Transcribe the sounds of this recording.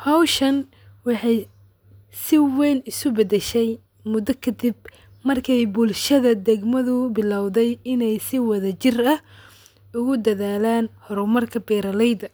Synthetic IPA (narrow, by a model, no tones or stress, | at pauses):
hɔwʃɐn | wɑħɑj | sɪwɛjnɪsʊbɐd̪ɛʃɛj | mʊd̪ɐkʰɐd̪ɪb | mɐrkʰɛjbʊlʃɐðɐd̪ɛɡmɐðʊbɪlɑwðɛjɪnɛjsɪwɐðɐt͡ʃɪrɐh | ʊɣʊd̪ɐðaːlaːnhɔɾʊmɐrkʰɐbɛːɾɐlɛjd̪ɐ